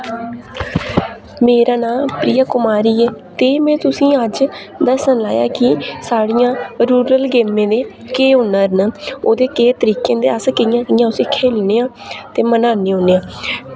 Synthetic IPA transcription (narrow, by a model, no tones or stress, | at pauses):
meːɾaːnãːpɾiːaːkʊmaːɾiːɛːt̪eːmɛ̃ːt̪ʊsĩːəd͡ʒ | d̪əsənlaːja̰ːkɪsaːɽijãːɾuːɾəlɡeːmẽːd̪eː | keːʊnəɾnoːd̪eːkeːt̪əɾiːkẽːd̪eːəskəjãːkɪjãːʊseːkʰeːlneːãːt̪eːmənaːnẽːɦõːneːãː